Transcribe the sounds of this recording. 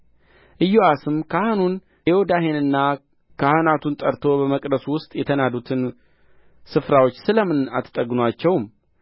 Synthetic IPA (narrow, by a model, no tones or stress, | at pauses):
ʔɨjːoʔasɨmkʰahanun | ewod̪ahe̞nɨnːa | kʰahanat̪ʰunt̪ʼəɾt̪ʰo̞bəməkʼd̪əsuwʊst̪ʼjɛt̪ʰənad̪ut̪ʰɨn | sɨfɾawo̞t͡ʃːsɨləmɨna̰t̪ʰt̪ʼəɡnat͡ʃːɛwm